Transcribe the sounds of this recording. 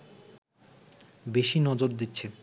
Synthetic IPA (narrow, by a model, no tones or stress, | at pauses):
beʃinɔd͡ʑoɾd̪itːɕʰe